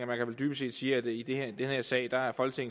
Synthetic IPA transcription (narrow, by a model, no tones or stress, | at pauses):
ɐmænkʰæʋeld̥yːb̥əse̝̰ːd̥siːɐæd̥e̝id̥ed̥enheɐsɛ̰ɪd̥ɑ̈æɐfɒ̽lɡ̥ət͡sʰe̝ŋ̩